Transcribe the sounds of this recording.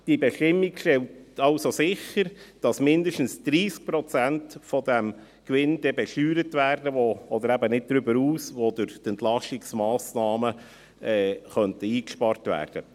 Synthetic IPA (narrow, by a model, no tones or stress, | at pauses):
d̥ibɛʃtɪmːikʃtɛltɑʊsosɪχəɾd̥ɑsmɪndəʃtn̩sd̥ɾiːsk̚pɾɔt͡sæntfɔdɛm | kʋɪndɛbɛʃyːɾətʋæːrdəʋoɔdəɾæbənɪt̚d̥̪ɾʏbəɾuːsʋodʊɾt̪ɛntlɑʃtiksmɑːsnɑːmə | ɛːχœntəiːkʃpɑɾtʋæ̰ːrd̥ə